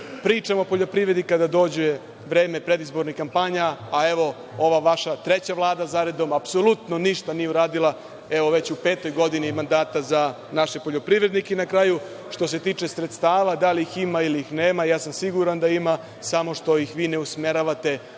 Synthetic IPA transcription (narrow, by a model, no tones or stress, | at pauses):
pɾiːt͡ʃamopo̞ʎo̞pɾiʋɾe̞d̪ikad̪ad̪o̞d͡ʑuje | ʋɾe̞ːmepɾe̞d̪izbo̞ɾnixkːampaɲaːe̞ʋo̞ | oʋaʋaʃat̪ɾe̞t͡ɕaʋlˠaːd̪azaɾe̞d̪o̞mapso̞lˠut̪no̞niʃt̪anijeuɾaːd̪ilˠa | e̞ʋo̞ʋe̞t͡ɕupe̞ːt̪o̞jɡo̞d̪inimand̪aːt̪aza | naʃepo̞ʎo̞pɾiʋɾe̞d̪nikenakɾaːju | ʃt̪o̞s̬e̞t̪iːt͡ʃesɾet̪st̪aːʋad̪aliiximailiixneːmajaːsamsiɡuɾand̪aima | samo̞ʃt̪o̞jixʋiːne̞usme̞ɾaʋat̪e̞